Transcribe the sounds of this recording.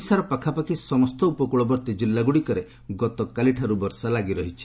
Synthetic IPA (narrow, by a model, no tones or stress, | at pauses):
saɾɔpakʰapakʰisɔmɔst̪ɔupɔkuɭɔbɔɾt̪id͡ʒilːaɡuɽikɔɾe | ɡɔt̪ɔkaliʈʰaɾubɔɾsalaɡiɾɔɦit͡ʃʰi̥